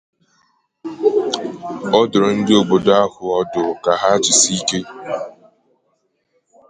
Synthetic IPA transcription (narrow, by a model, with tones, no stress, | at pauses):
ɔ˦dʊ˨ɾʊ˨n̩˦dɪ˦o˨ɡ͡bo˨da˦hʊ˨ɔ˦dʊ˨ka˨ɦa˦t͡ʃɪ˨si˦ke˦